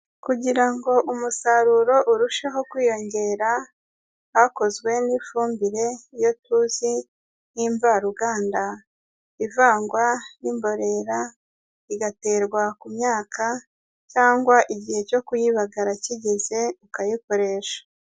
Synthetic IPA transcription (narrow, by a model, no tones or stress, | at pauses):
kuɟiɾaŋɡo̞ʔumusaɾuɾo̞ʔuɾuʃeɦo̞kwiːjo̞ɲɟe̞ːɾa | hako̞zɡwe̞niːfuːmbiɾe̞jo̞tuzi | niːɱvaɾuɡaːnda | ivaːŋɡwajimbo̞ɾe̞ɾa | iɡate̞ːɾɡwakumɲaːkʰa | caːŋɡwaʔiɟihe̞co̞kujiβaɡaɾaciɟeze̞ukajiko̞ɾe̞ʃḁ